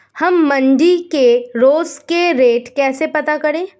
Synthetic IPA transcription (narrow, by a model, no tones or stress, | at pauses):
hɐmːɐ̃nɖikeɾoːskeɾeːʈkɛːsepɐt̪akɐɾẽː